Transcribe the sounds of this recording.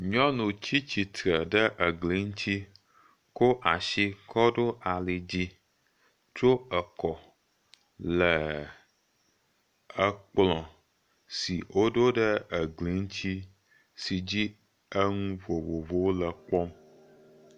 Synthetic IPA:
ɲɔ̃˦nũ˨t͡ɕi˦t͡ɕi˨t̪ɾə˨ɖə˦ʔə˨ɡli˨˦ŋ̩˦t͡ɕi˦ | ko˦ʔa˨ʃi˦kʰɔ˦ɖo˦a˨li˨d͡ʑi˦ | t͡ʃo˦ə˨kɔ˨ | lə˨ | ə˨k͡plɔ̃˨ | si˨wo˦ɖo˦ɖə˦ə˨ɡli˨˦ŋ̩˦t͡ɕi˦ | si˨d͡ʑi˦ | ə˦ŋũ˦vo˨vo˨vo˦wlə˨k͡pɔ˦m

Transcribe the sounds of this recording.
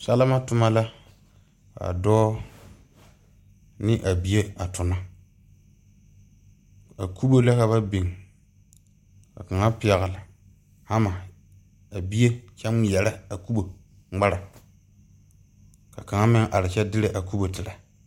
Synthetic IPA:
sa˦la˦ma˦tʊ˨ma˦la˦ | a̰˨dɔː˦ | nɪ˦ʔa˨bi˦e˦a˨tʊ˨na˦ | a˨kʰu˦bo˦la˦ka˨βa˦bi˨ŋ˨ | ka̰˨ka˨ŋa˦pɪ˨a˨ɣa˨la˨ | ha˦ma˨ | a˨bi˦e˦t͡ʃɛ˦m˦jɛ˨la˦a˨ku˦bo˨ | ŋ͡ma˦ɾa˨ | ka̰˨ka˨ŋa˦mɪ˦ŋʔa˨ɾɪ˨t͡ʃɛ˦dɪ˦ɾɪ˨ʔa˨ku˦bo˨tɪ˨ɾa˨

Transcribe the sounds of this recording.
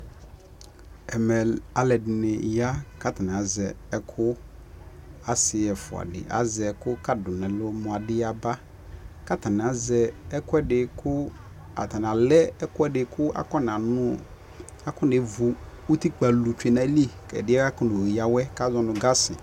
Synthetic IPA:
ɛ˨mɛ˨a˦lɛ˨dɪ˨nɪ˨ja˦ka˦t̪a˨n˨a˨zɛ˨ | ɛ˨kʰʊ˦ | a˨sɪ˨ɛ˨fʊ˨a̰˨dɪ̰˨ʔa̰˦zɛ˨kʊ˦ka˦dʊ˨nɛ̃˨lʊ˦mʊ̃˨a˨dɪ˦a˨ba˦ | ka˦t̪a˨n˨ã˨zɛ˨ɛ˦kʊ˦ɛ˦dɪ˨kʰʊ˦ | a̰˨t̪a˨n˨ã˨lɛ˦ɛ˦kʊ˦ɛ˦dɪ˨kʰʊ˦a̰˦kɔ˦n˨ã˨nʊ̃˦ | a˦kʊ˦ɪ˨vu˨ | u˦t̪i˦k͡pa˨lu˨t͡ʃᶣe˨nã˨˦li˦kɛ̰˨dɪ˦ɛ˦a˦kʊ˦nʊ̃˨i˨ja˨wɛ˦ka˦zɔ˦nʊ̃˨ɡa˦sɪ̰˨

